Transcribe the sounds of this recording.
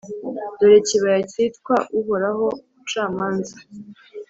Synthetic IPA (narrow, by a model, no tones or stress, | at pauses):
doɾeciβaɾacitkwaʔuɦoɾaɦo̞ut͡ʃaːmaːnza